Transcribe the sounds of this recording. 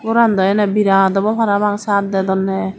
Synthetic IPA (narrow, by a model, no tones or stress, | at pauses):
uɾand̪ɔjanabiɾad̪ɔbɔpʰaɾabaŋsaɾ̚d̪ɛd̪ɔnːɛ